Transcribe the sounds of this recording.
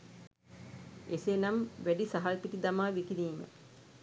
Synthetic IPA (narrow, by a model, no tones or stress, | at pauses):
esenamʋæɖisaɦalpiʈid̪amaːʋikiɾiːmə̰